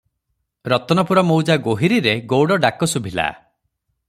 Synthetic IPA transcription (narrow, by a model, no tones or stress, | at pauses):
ɾɔt̪ɔnɔpuɾɔmowd͡ʒaɡoɦiɾiɾeɡowɽɔɖakɔsubʱila̰